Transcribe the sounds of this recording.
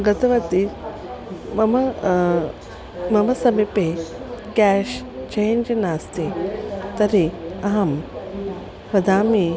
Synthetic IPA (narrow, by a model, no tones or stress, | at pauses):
ɡɐt̪ɐʋɐt̪i | mɐmɐ | mɐmɐsɐmipekɛːʃt͡ʃejnd͡ʒɐnaːst̪it̪ɐɾiɐɦɐm | pɾɐd̪ʱaːmi